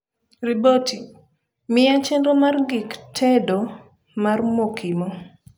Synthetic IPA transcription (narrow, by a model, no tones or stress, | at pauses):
riboti | mɪat͡ʃendomarɡɪktʰɛdo | marmokʰimo